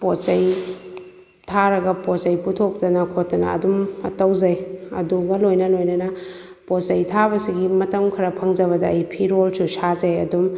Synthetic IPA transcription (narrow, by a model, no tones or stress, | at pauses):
pot͡ʃɐj | tʰaɾɐɡɐpot͡ʃɐjputʰok̚tɐnɐkʰotːɐnɐ̰ɐ̰dumɐ̰tɐwzajɐ̰duɡɐlojnɐlojnɐnɐposɐjtʰabɐsiɡimɐtɐmkʰɐɾɐpʰɐŋd͡ʒɐβɐdɐːjpʰiɾolsusazajɐdum